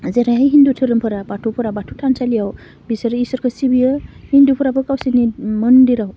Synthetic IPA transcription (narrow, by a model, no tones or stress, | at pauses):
zeɾajɦajɦindutʰɯɾɯmpʰɯɾabatʰupʰɯɾabatʰutʰansalijaw | bisaɾisɔɾkʰɯsibijɯhindupʰɯɾapɯkawsiniməndiɾaw